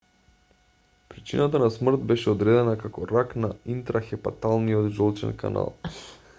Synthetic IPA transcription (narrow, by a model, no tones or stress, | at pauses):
pɾit͡ʃinat̪anasmr̩t̪̚bɛʃɛɔd̪ɾɛd̪ɛnakakɔɾaknaint̪ɾaxɛpa̰t̪alˠnijɔd̪ʒɔlˠt͡ʃɛ̰nka̰na̰lˠ